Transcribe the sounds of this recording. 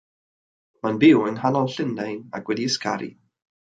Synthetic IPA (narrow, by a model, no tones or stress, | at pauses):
manbɪwənhanɔlˠɬɪndaja̰kwɛdiəskʰa̰ɾḭ